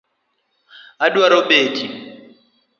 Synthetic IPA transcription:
adwaɾɔɓeːti

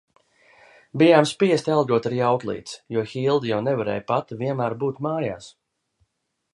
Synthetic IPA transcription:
bijaːmspiɛst̪ʲalˠɡuɔt̪aɾijawklˠḭːt̪sjuɔxilˠd̪jawnɛvaɾɛ̰ːjpat̪vʲiɛnmæːɾbuːt̪maːja̰ːs

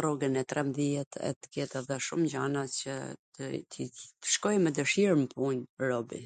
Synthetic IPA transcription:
rɔɡənɛt̪ɾʔɛmðiɛt̪ʰɛ̰t̪ə̥kɛt̪ɛðɛʃumɟanat͡ɕə̰t̪ət̪ʰit̪ə̥ʃkɔjmɛd̪əʃiɾməpunɾɔbḭ

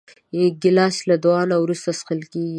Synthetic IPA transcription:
ɡɪlɑslad̪wɑnawɾust̪asqəlkeɡi

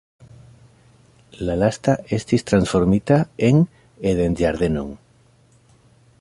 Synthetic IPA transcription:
lalast̪aʔest̪ist̪ɾansfo̞ɾmit̪aeŋ | eðend͡ʒaɾðenõ̰ŋ

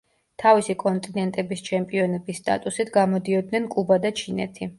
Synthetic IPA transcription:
t̪ʰavisikʼɔnt̪ʼinɛnt̪ʼɛbist͡ʃʰɛmpʼiɔnɛbisːt̪ʼa̰t̪ʼusit̪ʰɡamɔd̪iɔd̪nɛnkʼubad̪at͡ʃʰinɛ̰t̪ʰi

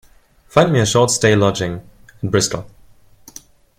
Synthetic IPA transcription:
fãɪ̃ndmiɨʃɔɹtsteɪlɔd͡ʒɪ̃ŋ | ət̚b̥ɹɪstʰˡl̩ˠ

